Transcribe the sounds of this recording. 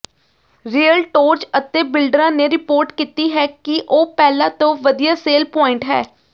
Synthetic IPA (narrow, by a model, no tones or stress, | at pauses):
ɾiːəlʈoːɾt͡ʃət̪eːbɪlɖɾãːneːɾɪpoːɾʈkiːt̪iːɦɛːkɪʔoːpɛːlãːt̪õːʋəd̪ijaːseːlpɔːɪɳʈɦɛ̰ː